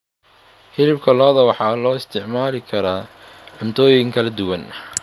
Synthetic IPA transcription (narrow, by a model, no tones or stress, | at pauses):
hɪlɪbkʰɐlɔːðɐwɑħɑːlɔːɪst̪ʰɪʕmaːlɪkʰɐɾaː | ʕʊnt̪ʰɔːjɪŋkʰɐlɐd̪ʊwɐn